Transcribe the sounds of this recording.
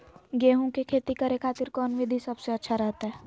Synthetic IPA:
ɡeːɦõkekʰeːt̪ikəɾekʰaːt̪ɪɾkɔːnʋɪd̪ʱisɐbseɐtːʃʰaɾɛɦt̪aɦɛː

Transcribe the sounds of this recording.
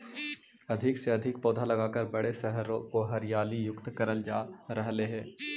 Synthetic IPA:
ɐd̪ʱɪkseɐd̪ʱɪk̚pɔːd̪ʱalɐɡaːkəɾbɐɽesɛɦəɾõkoɦɐɾjaːlijʊkt̪kɐɾəld͡ʒaːɾɐɦleɦɛ̃ː

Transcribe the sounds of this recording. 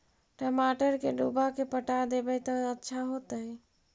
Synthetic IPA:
ʈəmaʈəɾkeɖubakepəʈad̪ebɛt̪ɔətːʃʰaɦot̪əj

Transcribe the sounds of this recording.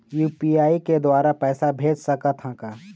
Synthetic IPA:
juːpiaːiked̪waːɾapɛːsabʱeːd͡ʒsɐkət̪ʰɦãkaː

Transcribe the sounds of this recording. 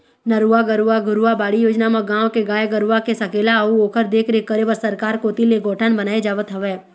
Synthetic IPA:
nɐɾuaɡəɾuaɡʊɾuabaːɽijoːd͡ʒnamãɡãːʋkeɡaːjeɡəɾuakesɐkeːlauoːkəɾd̪eːkʰɾekəɾeʋəɾsəɾkaːɾkot̪ileɡoːʈʰənbənaːed͡ʒaːʋət̪ɦəʋɛː

